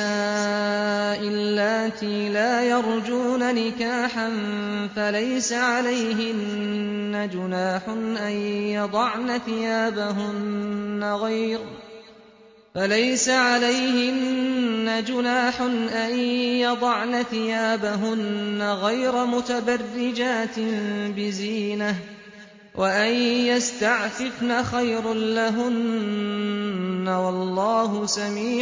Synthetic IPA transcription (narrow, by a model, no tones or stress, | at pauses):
a | ʔɪlːaːt̪iːlaːjɑɾˤd͡ʒuːnanɪkaːħan | falajsaʕalajɦɪnː | ad͡ʒʊnaːħʊnʔajjɑd̪ˤɑʕnaθɪjaːbaɦʊnːaɣajɾ | falajsaʕalajhɪnːad͡ʒʊnaːħʊnʔajjɑd̪ˤɑʕnaθɪjaːbaɦʊnːaɣajɾamʊt̪abarːɪd͡ʒaːt̪ɪnbɪziːna | wʔaʔajjast̪aʕfɪfnaxajɾanlaɦʊn | awɑlˤːɑːɦʊsamiː